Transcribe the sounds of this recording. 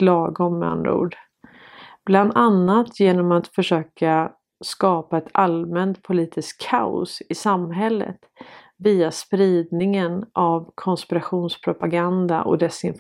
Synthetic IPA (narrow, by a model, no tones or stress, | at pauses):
lɑːɡɔmːɛ̰a̰nd̪ɾa̰ṵːɖ | b̥land̪anːat̪ʰjeːnɔmat̪fœʂøːka | skɑːpaɛt̪ʰalmɛnt̪pʰʊliːt̪ʰɪskʰːaʊ̰sɪsamɦɛlːə̰t̪ | viːaspɾiːd̪nɪŋənʔavkʰɔnspɪɾaɧuːnspʰɾʊpaɡand̪a̰ʔɔ̰d̪ɛsɪnf